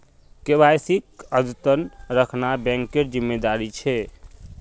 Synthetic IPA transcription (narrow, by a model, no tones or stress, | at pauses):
kebajsikəd̪ut̪ənɾəkʰnabɛ̃ŋkːeɾd͡ʒimːed̪aɾit͡ʃʰɛ